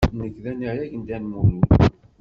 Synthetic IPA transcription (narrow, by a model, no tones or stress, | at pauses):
nəkːðænijæʝənd̪ænmuni